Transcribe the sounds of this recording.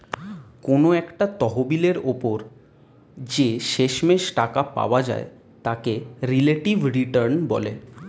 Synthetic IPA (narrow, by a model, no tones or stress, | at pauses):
konoɛkʈat̪ɔɦobileɾopoɾ | d͡ʑeʃeʃmeʃʈakapa̰oad͡ʑa̰e | t̪akeɾileʈivɾiʈəɾnbɔ̰le